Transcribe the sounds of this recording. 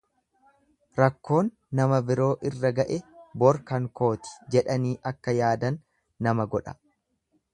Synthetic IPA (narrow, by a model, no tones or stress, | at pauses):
ɾɐkːo̞ːnːɐmɐbɪɾo̞ːʔɪrːɐɡɐʔɛbɔɾkɐŋko̞ːt̪ɪ̥d͡ʒɛᶑɐniːʔɐkːɐjaːd̪ɐnː | ɐmɐɡɔᶑɐ̥